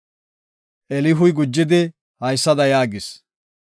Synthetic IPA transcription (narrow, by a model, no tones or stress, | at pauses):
ʔɛlɪɦʊjɡʊd͡ʒːɪd̪ɪ | hɐjsːɐd̪ɐjaːɡɪs